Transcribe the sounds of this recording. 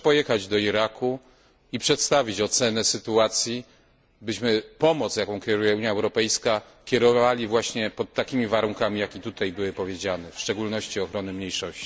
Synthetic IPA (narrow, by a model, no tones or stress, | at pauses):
pɔjɛxad͡ʑd̪ɔiɾakʰu | ipʂɛt̪st̪avʲit͡ɕɔt̪sɛnɛsɘt̪uat̪sʲji | bɘɕmɘpɔmɔt̪sjakɔ̃w̃kʲɛɾujɛuɲjaɛwɾɔpɛjska | kʲjɛɾɔvalʲivwaɕɲɛpɔt̪ːakʲimʲivaɾuŋkamʲijakʲit̪ut̪ajbɘwɘpɔvʲjed͡ʑanɛfʂt͡ʂɛɡulnɔɕt͡ɕiɔxɾɔnɘmɲejʂɔɕt͡ɕi̥